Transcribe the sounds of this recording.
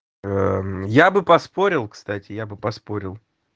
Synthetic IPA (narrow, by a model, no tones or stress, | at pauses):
əjabɨpɐspo̞ɾʲɪlˠkst̪atʲɪjabɨpɐspo̞ɾʲɪlˠ